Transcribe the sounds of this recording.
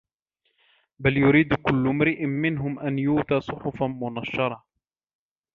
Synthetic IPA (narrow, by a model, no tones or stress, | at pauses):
baljʊɾiːd̪kʊlːʊmɾɪʔɪmɪnɦʊmʔanjuːt̪aːsˤʊħʊfmʊnaʃːɑɾˤɑ